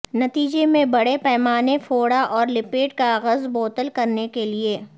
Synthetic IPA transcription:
nɐt̪iːd͡ʒemẽbɐɽepɛːmaːnefoːɽaʔɔːɾlɪpeːʈ̚kaɣəzboːt̪əlkɐɾnekelieː

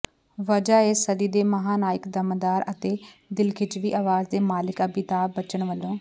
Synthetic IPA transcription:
ʋəd͡ʒaːeːsəd̪iːd̪eːməɦaːnaːjɪkd̪əmd̪aːɾət̪eːd̪ɪlkʰɪt͡ʃʋiːʔaːʋaːzd̪eːmaːlɪkəbiːt̪aːbət͡ʃəɳʋəlːõː

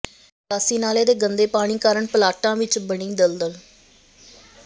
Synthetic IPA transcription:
aːsiːnaːleːd̪eːɡənd̪eːpaːɽ̃iːkaːɾəɳpəlaːʈãːʋɪt͡ʃbəɳĩːd̪əld̪əl

